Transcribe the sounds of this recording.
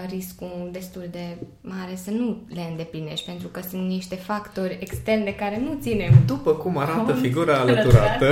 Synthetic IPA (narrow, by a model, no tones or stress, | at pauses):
riskud̪e̞st̪uld̪e̞ | maɾe̞sənule̞ɨnd̪e̞pline̞ʃt̪̚ʲpe̞nt̪ɾukəsunt̪niʃt̪e̞fakt̪o̞rʲekst̪e̞rnd̪e̞kaɾe̞nut̪sine̞md̪upəkumaɾat̪əfiɡuɾaːlət̪uɾat̪ə